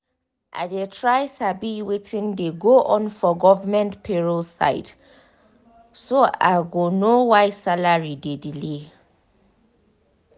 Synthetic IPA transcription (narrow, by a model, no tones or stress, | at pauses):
ʔa̰detʰɹaɪsabiwetĩndeɡoʔɔ̃nfɔɡɔvamɛ̃ntpʰeɹolsa̰ɪd | soa̰ɡonowaɪsalaɹidedile